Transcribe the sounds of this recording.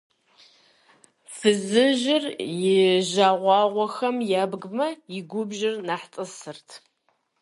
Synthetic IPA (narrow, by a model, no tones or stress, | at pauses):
fɨzɨʒɪrjɪʑaːʁʷɑːʁʷɔxɐmjaːbɡmɐjɪɡʷʊbʒɪrnaːħtʼɨsɨrtʰ